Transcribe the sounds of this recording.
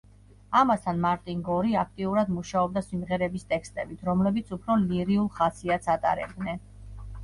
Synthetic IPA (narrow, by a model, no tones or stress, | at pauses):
amast̪ʰanmaɾt̪ʼiŋɡɔɾiak̚ʰt̪ʼiuɾad̪muʃaɔb̚d̪asimʁɛɾɛbist̪ʼɛkʰst̪ʼɛbit̪ʰɾɔmlɛbit̪sʰupʰɾɔliɾiulˠχasiat̪sʰat̪ʼa̰ɾɛ̰b̚d̪nɛn